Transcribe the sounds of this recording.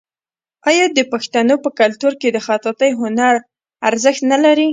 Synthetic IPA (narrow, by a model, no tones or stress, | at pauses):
ɑjɑd̪əpaxt̪anopəkalt̪uɾked̪əxɑt̪at̪əjɦʊnaɾ | aɾzəxt̪nalaɾi